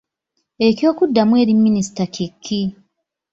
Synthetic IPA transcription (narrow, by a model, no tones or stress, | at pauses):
e̞cjo̞ːkudːamwe̞ːɾimːinisi̥takekʰːi